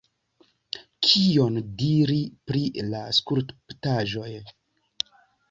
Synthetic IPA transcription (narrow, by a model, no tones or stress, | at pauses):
kʰio̞ndiɾipɾilaskuɾtptaʒo̞j